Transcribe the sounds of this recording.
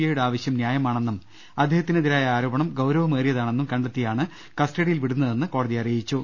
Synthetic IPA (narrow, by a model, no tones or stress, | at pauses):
jɐjuɽeaːʋɐɕjɐmnjaːjɐmaːɳenːum | ɐd̪ʱjehɐt̪ːineðiɾaːjɐaːɾo̞ːbɐɳɐmɡɐwɾɐʋɐmeːrjɐðaːɳe̞nːumkɐɳɖet̪ːijaːɳɨ | kɐsʈɐɽijilʋiɽunːɐðe̞nːɨko̞ːɽɐðijɐrijit͡ɕːu